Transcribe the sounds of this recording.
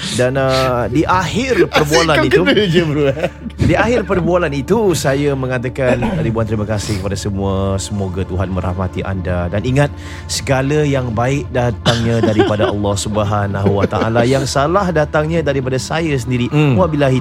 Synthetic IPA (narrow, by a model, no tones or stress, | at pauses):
danədiʔahɪrpərbualanniud͡ʒəbəɾuadiaɦɪrpərbualanit̪usajamə̃ŋat̪akanɾibuant̪əɾiməkasɪhkəpadasəmũasəmoɡat̪uɦanmə̃ɾa̰hmat̪iʔa̰ndadaniŋat̪̚ | sə̥ɡalajaŋbaɪk̚dat̪aŋɲãdaɾipadaʔɑlːɑhsubəɦanaɦuwat̪a̰ʔa̰lajaŋsalahdat̪aŋɲãdaɾip̬adasajas̬əndiɾiabilaɦi